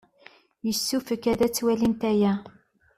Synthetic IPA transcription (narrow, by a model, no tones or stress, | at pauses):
jəsːufəkːæðæt͡sːwælint̪æjæ